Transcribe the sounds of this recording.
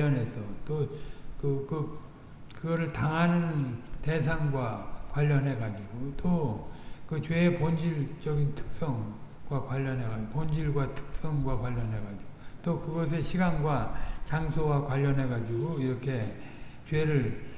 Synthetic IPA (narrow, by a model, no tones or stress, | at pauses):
ʌnɦe̞sʰʌt͈okɯkɯ | kɯɡʌɾɯɭtaŋɦanɯnte̞sʰaŋɡwakwaʎːʌnɦe̞ɡad͡ʑiɡoto | kɯt͡ɕweːpond͡ʑiɭt͡ɕʌɡintʰɯ̥k̚s͈ʌŋ | ɡ̥wakwaʎːʌnɦe̞ɡad͡ʑiopond͡ʑiɭɡwatʰɯ̥k̚s͈ʌŋɡwakwaʎːʌnɦe̞ɡad͡ʑiɡotokɯɡʌs̬ʰe̞ɕʰiɡanɡwat͡ɕaŋsʰowakwaʎːʌnɦe̞ɡad͡ʑiɡoiɾʌkʰe̞ | t͡ɕwe̞ɾɯɭ